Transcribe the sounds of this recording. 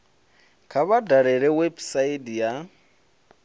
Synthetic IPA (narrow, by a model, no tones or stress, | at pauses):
kʰaβadaɺɛɺɛwebsaidja